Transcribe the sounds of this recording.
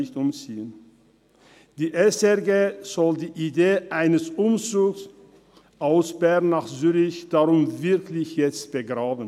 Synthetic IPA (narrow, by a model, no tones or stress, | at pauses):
ɪçtʔʊmt͡siːən | d̥iːʔɛsɛɐɡeːz̥ɔldiːʔideːʔaɪnəsʊmt͡suːks | ʔaʊsb̥ɛɐnːaːχzyːʁɪçd̥aʁʊmvɪɐklɪçjɛt͡st̚b̥əɡʁaːbən̩